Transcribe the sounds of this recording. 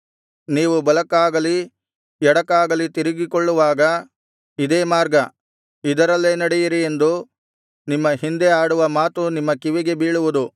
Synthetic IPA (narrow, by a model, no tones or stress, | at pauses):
niːʋubɐlɐkaːɡɐli | ɛɽɐkaːɡɐlit̪iɾiɡikoɭːuʋaːɡɐ | id̪eːmaːɾɡɐ | id̪ɐɾɐlːeːnɐɽɛjiɾie̞nd̪u | nimːɐɦind̪eaːɽuʋɐmaːt̪unimːɐkiʋiɡe̞biːɭuʋud̪u